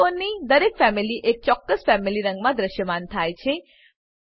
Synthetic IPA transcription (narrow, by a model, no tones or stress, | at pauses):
onːid̪əɾekfɛmiliʔek̚t͡ʃɔkːəsfɛmiliɾə̃ŋɡmãd̪ɾəʃjəmaːnt̪ʰajt͡ʃʰe